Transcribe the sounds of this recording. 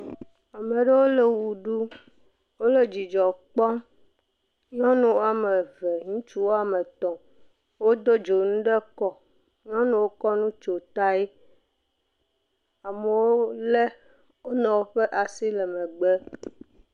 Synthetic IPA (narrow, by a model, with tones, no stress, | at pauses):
a˨me˨ɖe˦wo˦le˨wu˨ɖu˦ | wo˦le˨d͡ʑi˨d͡ʒɔ˨k͡pɔ˦m | ɲɔ̃˦nũ˦wo˦a˨me˨ve˨ŋũ˦t͡ʃu˦wo˦a˨me˨t̪ɔ̃˨ | wo˦d̪o˦d͡ʒo˨nũ˦ɖe˦kɔ˨ | ɲɔ̃˦nũ˦wo˦kɔ˦nũ˦t͡ʃo˨t̪a˦e˦ | a˨me˨wo˦le˦ | wo˦nɔ̃˨wo˦ɸe˦ʔa˨si˦le˨mɛ̃˨ɡ͡be˦